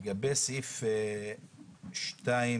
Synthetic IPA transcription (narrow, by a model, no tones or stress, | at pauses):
ɡabesife | ʃt̪ai